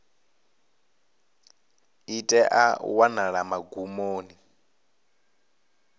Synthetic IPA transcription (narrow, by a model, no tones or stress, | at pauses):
itʼɛʔa̰wanaɺamaɡumoːni